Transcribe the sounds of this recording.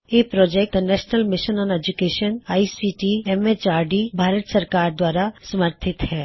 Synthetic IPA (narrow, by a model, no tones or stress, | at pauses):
jeːpɾɔːd͡ʒɛk̚ʈd̪ɐnɛːʃnəlmɪʃənɔ̃ːned͡ʒukeːʃənaːisiːʈiɛmet͡ʃaːɾɖibʱaːɾət̪sɐɾkaːɾd̪waːɾasɐməɾt̪ʰɪt̪hɛː